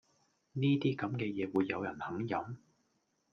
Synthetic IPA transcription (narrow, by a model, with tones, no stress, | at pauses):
niː˥t̪iː˥kɐ˨˥mkɛː˧jɛː˨˧wuː˨˧jːɐ˨˧wjɐ˨˩nhɐ˨˥ŋjɐ˨˥m